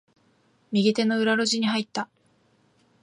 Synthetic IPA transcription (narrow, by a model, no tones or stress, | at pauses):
mʲiɡʲit̪e̞no̞ɯ̟ɾaɾo̞ʑiɲ̟iɦait̪ːa